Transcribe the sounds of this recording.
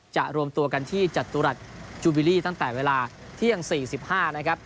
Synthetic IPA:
t͡ɕa˨˩ʔɾu˧əmt̪u˧ɐka˧nt̪ʰiː˥˩t͡ɕa˨˩t̪ːuː˧ɾa˨˩t̪̚t͡ɕuː˧bi˧liː˥˩t̪a˥˩ŋt̪ɛː˨˩weː˧laː˧ | t̪ʰi˥˩əŋsiː˨˩si˨˩p̚haː˥˩na˦˥kʰa˦˥p̚

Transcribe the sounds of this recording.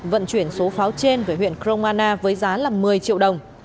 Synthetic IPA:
və̰˧˨nt͡ɕwi˧˩ənso˨˦faː˨˦wt͡ɕe˧nveː˧˩ɦwḭ˧˨ənkɾo˧wŋ͡maː˧naː˧vəː˨˦jzaː˨˦laː˨˩mɨ˨˩əjt͡ɕḭ˧˨əwɗə˨˩wŋ͡m

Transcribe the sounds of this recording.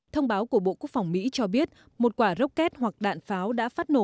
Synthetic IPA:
t̪ʰə˧wŋ͡mɓaː˨˦wku˧˩əɓo̰˧˨ku˦˥ək̚fa˨˩wŋ͡mmḭ˧˥t͡ɕɔ˧ɓi˦˥ət̚ | mo˨˩t̚kwaː˧˩zə˦˥wk͡p̚kɛ˦˥t̚hwa˨˩k̚ɗa̰ː˧˨nfaː˨˦wɗa̰ː˧˥faː˦˥t̚no˧˩

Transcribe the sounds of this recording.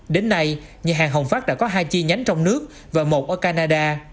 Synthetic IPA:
ɗe˨˦nːa˧j | ɲa˨˩ɦaː˨˩ŋɦə˨˩wŋ͡mfaː˦˥ɗa̰ː˧˥kɔ˨˦ɦaː˧jt͡ɕi˧ɲa˨˦jŋ̟t͡ɕɔ˧wŋ͡mnɨ˦˥ək̚ | vaː˨˩mo˨˩t̚ʔəː˧˩kaː˧naː˧ɗaː˧

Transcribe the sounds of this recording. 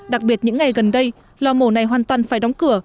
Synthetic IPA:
ɗa˨˩k̚ɓi˨˩ət̚ɲɨ̰˧˥ŋːa˨˩jɣə˨˩nɗə˧j | lɔ˧mo˧˩na˨˩jɦwaː˨˩nt̪waː˨˩nfaː˧˩jɗɔ˨˦ŋ͡mkɨ˧˩ə

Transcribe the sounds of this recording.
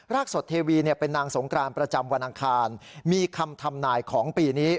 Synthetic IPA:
ɾaː˥˩k̚so˨˩t̪ʰːeː˧wiː˧ni˥˩ɐpe˧nːaː˧ŋso˩˦ŋkɾaː˧npɾa˧t͡ɕa˧mwa˧nʔa˧ŋkʰaː˧nmiː˧kʰa˧mt̪ʰa˧mnaː˧jkʰɔː˩˦ŋpiː˧niː˦˥

